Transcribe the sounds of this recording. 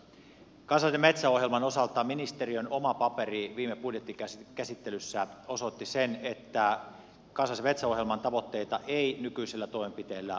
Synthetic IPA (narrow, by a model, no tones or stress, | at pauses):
kɑnsɑseme̞t̪sæo̞hjelmɑnosɑlt̪ɑminist̪eriønomɑpɑperiʋiːmepudjet̪ːiækæsit̪ːelysːæosot̪ːisenet̪ːæ | kɑnsɑsemet̪sæoɦjelmɑnt̪ɑʋo̞t̪ːe̞it̪ɑʔeinykyiselːæt̪oimempit̪eːlːæ̰